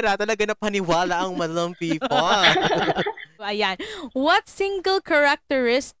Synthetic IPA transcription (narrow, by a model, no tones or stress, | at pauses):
ɾat̪ɐlɐɡanɐp̚hɐnɪwaːlaʔɐŋmɐdɐloŋpiːpo | ɐjanwɐt̪̚sɪ̃ŋɡəlkɐɹak̚t̪ɛɹɪs